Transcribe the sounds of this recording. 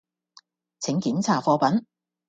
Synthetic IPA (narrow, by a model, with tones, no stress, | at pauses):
t͡sʰɪ˨˥ŋkiː˨˥nt͡sʰaː˨˩fɔː˧pɐ˨˥n